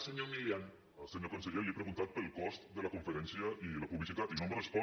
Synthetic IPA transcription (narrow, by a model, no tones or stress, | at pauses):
səɲomilian | əlˠsəɲokonsəʎeliepɾəɣunt̪at̪̚pəlˠkɔst̪d̪ələkuɱfəɾɛnsiəiləpuβlisit̪at̪inomrəspɔ